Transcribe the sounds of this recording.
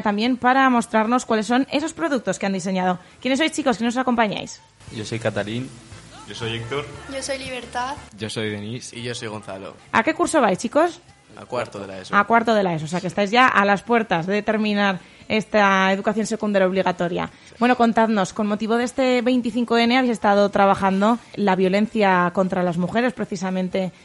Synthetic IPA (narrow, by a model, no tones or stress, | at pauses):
t̪ambje̞mpaɾamo̞st̪ɾaɾno̞skwale̞sːo̞ne̞so̞spɾo̞ðuk̚t̪o̞skeand̪ise̞ɲaðo̞kjenes̬o̞jst͡ʃiko̞ske̞no̞s̬ako̞mpaɲa̰js | ɟ͡ʝoso̞jkat̪alinɟosojek̚t̪oɾɟ͡ʝosojliβeɾt̪aðɟ͡ʝosojðenisiʝosojɣonθalo̰ | a̰ke̞kuɾso̞β̞ajst͡ʃiko̞s | akwaɾt̪olasakwaɾt̪o̞ð̞e̞laes̬os̬eakest̪ajzʝaʔalaspwe̞ɾt̪azðe̞t̪e̞ɾmĩnaɾ | e̞st̪ae̞ðukaθjo̞nse̞kund̪aɾjao̞β̞liɣ̞at̪o̞ɾja̰ | bwe̞no̞ko̞nt̪aðno̞sko̞nmo̞t̪iβo̞ðe̞st̪e̞βe̞jnt̪iθiŋkoe̞neaβjse̞st̪að̞o̞t̪ɾaβaχand̪o̞laβjo̞le̞n̟θjako̞nt̪ɾalazmuxe̞ɾe̞spɾe̞θisamẽnt̪e̞